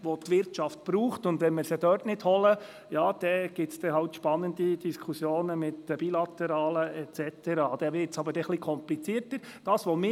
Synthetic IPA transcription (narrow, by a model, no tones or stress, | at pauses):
ʋotʋɪɾtʃɑft̚b̥ɾuːχtʊndʋɛnmɪɾsəd̥œːtnɪdhɔlə | jɑːd̥ɛɡ̥ɪtsd̥̪ɛɦɑltʃpɑnːənd̪id̥iskʰusjoːnəmɪtəb̥ilɑt̪ɛɾɑːləɛtt͡sɛt̪ɛɾɑːd̥̪ɛʋɪɾtsɑbəɾdɛχlikʰɔmplit͡siːəɾtəɾd̥ɑːsʋɔmɪ